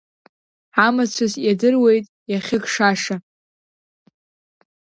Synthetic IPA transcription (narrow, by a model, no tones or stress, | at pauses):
amat͡ɕʷʰazjadɨrwe̞jtʼjaχʲɪkʰʼʂaʂa